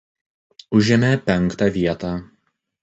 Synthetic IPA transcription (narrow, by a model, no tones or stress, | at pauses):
ʊʒʲɛmʲɛpʲɛŋˑkt̪ɑˑʋʲiɛt̪ɑː